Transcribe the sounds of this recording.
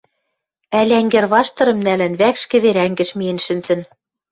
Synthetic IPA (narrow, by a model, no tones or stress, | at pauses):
ælʲæŋɡĕrβɑʃt̪ɤ̆ɾɤ̆mnælɘ̆nβækʃkɘ̆βeɾæŋɡɘ̆ʃmiĕnʃɘ̆nzɘ̆n